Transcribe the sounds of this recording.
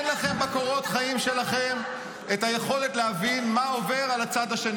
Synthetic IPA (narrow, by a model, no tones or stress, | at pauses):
nlaχemːako̞ʁo̞t̪χaimʃe̞laχem | et̪aje̞χo̞le̞t̪leavinmao̞ve̞ʁalat͡sad̪aʃen